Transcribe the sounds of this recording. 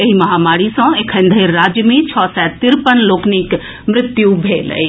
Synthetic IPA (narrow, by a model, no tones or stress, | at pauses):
eɦimɐɦamaːɾisɐ̃ekʰə̃nd̪ʱeːaːd͡ʒmĩt͡ʃʰɔːsɛt̪ɪɾpənloːknik | mɾɪt̪jubʱeːlə̰i